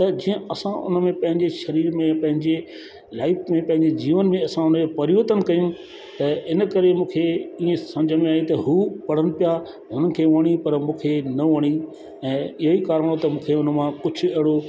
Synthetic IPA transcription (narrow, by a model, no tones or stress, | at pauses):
t̪ɐd͡ʑiːə̃ɐsãʔʊ̰nəmẽpɐ̃ɦɪ̃ɲd͡ʑeʃɐɾiːɾmẽpɐ̃ɦɪ̃ɲd͡ʑe | laːɪfmẽpɐ̃ɦɪɲd͡ʑed͡ʑiːʋənɪ̆mẽɐsãʊnd͡ʑopɐɾiʋət̪ənɪ̆kɐjũ | t̪ɐɪnə̆kɐɾemũːkʰeiːẽsɐ̃md͡ʑʱəmẽaːit̪ɐɦuːpɐɽ̤ənɪ̆pija | ɦʊnənɪ̆kʰeːʋɐɽ̃ipɐɾmũːkʰenɐʋɐɽ̃i | ɛ̃ːɪɦoikaːɾə̃ɽ̃ot̪ɐmũːkʰeʊnəmãkʊd͡ʑʱʰʊ̆ɐɦɪɽo